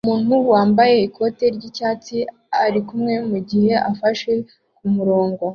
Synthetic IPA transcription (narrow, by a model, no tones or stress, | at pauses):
umuːn̥huwaːmbaje̞ikʰo̞ːte̞ɾɟicaːt͡si | aɾikumŋe̞muɟihe̞ʔafaʃe̞ | kumuɾo̞ːŋɡo̞